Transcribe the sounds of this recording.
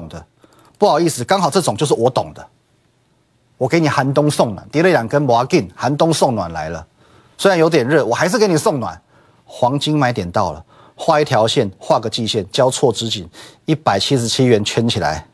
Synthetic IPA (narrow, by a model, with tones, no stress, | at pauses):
ŋd̪ə˦ | pu˥˩xɑ˨˩ʊi˥˩sɹ̩˨˩kɑ˥ŋhɑ˨˩ʊʈ͡ʂɤ˥˩ʈ͡ʂŋt͡ɕjo˥˧ʊʂɻ̩˥˩wɔ˨˧˦t̪oʊ˨˩ŋd̪ə˦ | wɔ˨˩ke˧˥ɪni˨˩xa˧˥nt̪ʊ˥ŋsʊ˥˩ŋnwa̰˨˩nt̪jɾe˥˩ɪja˨˩nkə˦nmɔ˧a˧˥ki˥˨nxa˧˦˥nt̪ʊ˥ŋsʊ˥˩ŋnwa̰˨˩nla˧˦ɪlə˧ | swe˥ɪɻa˧˦njo˧˥ʊt̪jɛ˨˩nɻə˥˩˨wɔ˨xa˧˥ɪʂɻ̩˥˨ke˧˥ɪni˨˩sʊ˥˨ŋnwa̰˨˩n | xwɑ˧˦ŋt͡ɕi˥ŋma˧˥ɪi˥t̪jɛ˨˩nt̪ɑ˥˩ʊlə̰˩ | xwa˥˧i˥˩t̪ʰjɑ˧˦ʊɕjɛ˥˨nxwa˥˩ɡə˨˩t͡ɕi˥˧ɕjɛ˥˨nt͡ɕjɑ˥˦ʊt͡sʰwɔ˥˨ʈ͡ʂɻ̩˧˦t͡ɕi˨˩ni˥˩pa˨˩ɪt͡ɕʰi˦˥ʂɻ̩˧˥t͡ɕʰi˦ɥɛ˨˦nt͡ɕʰɥɛ˥nt͡ɕʰi˨la̰˨˦ɪ